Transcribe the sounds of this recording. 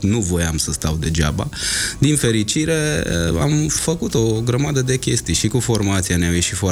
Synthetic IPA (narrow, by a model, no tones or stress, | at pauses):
nuvo̞jamsəst̪awd̪e̞d͡ʒa̰ba̰d̪infe̞ɾit͡ʃiɾe̞ə̰a̰mfəkut̪o̞ɡɾəmad̪əd̪e̞kʲe̞st̪ijʃikufo̞rmat̪sianeawjeʃifoa